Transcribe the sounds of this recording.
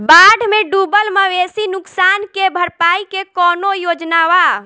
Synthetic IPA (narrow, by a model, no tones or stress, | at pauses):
baɖʱmeɖubəlməʋesinuksankebʱəɾpaikekɔnojod͡ʒnawa